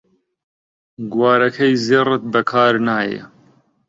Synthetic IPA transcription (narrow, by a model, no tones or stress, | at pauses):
ɡwaːɾɐkʰɐjzirɨt̪̚bɐkʰaːɾnaːjḛ